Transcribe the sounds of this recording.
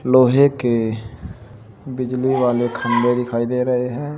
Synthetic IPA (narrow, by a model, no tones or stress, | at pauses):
loːɦeke | bɪd͡ʒliʋaːlekʰə̃mbed̪ɪkʰaːid̪eɾɐɦeɦɛ̃ː